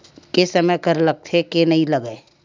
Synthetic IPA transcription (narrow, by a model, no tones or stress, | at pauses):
kesɐməjkɐɾlɐk̚t̪ʰekenɐɦĩlɐɡeː